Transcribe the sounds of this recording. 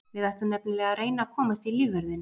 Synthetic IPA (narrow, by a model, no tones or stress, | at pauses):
vɪðajht̪ʏnɛpnɪlɛːɣaɾeːjnakʰɔːmast̪iliːvɛɾðɪn